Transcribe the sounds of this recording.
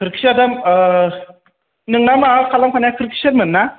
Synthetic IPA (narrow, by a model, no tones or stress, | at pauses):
kʰɯɾkʰi̥sadam | nɯŋnamaɦɯkʰalaŋpʰanajakʰɯɾkʰi̥sɯɾmɯnːa